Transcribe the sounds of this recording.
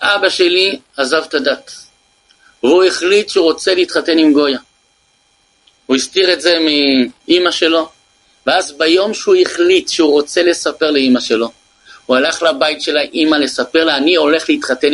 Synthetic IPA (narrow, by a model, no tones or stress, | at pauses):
ʔabaʃe̞li | azavtadat | veuiχlitʃuʁo̞t͡se̞leit̪χate̞nimɡo̞ja | huistiʁetze̞miʔimaʃe̞lo̞ | veazbajo̞mʃeuiχlit̪ʃeuʁo̞t͡se̞le̞sape̞ʁleimaʃe̞lo̞ | hualaχlabaitʃe̞laʔimale̞sape̞ʁleanio̞le̞χleit̪χate̞n